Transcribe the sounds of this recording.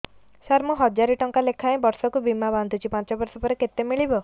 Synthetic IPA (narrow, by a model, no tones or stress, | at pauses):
saɾmuɦɔd͡ʒaɾiʈɔŋkalekʰaẽbɔɾsɔkubimaband̪ʱut͡ʃʰipãt͡ʃɔbɔɾsɔpɔɾeket̪emiɭibɔ